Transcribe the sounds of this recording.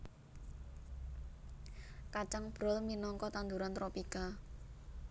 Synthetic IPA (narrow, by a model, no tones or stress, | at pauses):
kat͡ʃaŋb̥ɾɔlminɔŋkɔt̪and̪uɾant̪ɾopika